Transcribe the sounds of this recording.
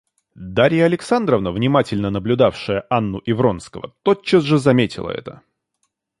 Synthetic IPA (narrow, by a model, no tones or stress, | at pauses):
d̪aɾʲɪjəɐlʲɪksand̪ɾəvnəvnʲɪmatʲɪlʲnənəblʲʊd̪afʂɨjəʔanːʊʔɪvɾo̞nskəvə̰t̪ot͡ɕːəzʐɨzɐmʲetʲɪ̰lˠə̰ɛ̰t̪ə̰